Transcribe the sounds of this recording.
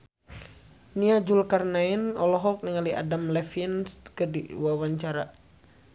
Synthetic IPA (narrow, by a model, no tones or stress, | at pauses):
niad͡ʒulkarnainɔlɔɦɔk̚niŋaliʔa̰damlɛfinskədḭwawaɲt͡ʃaɾa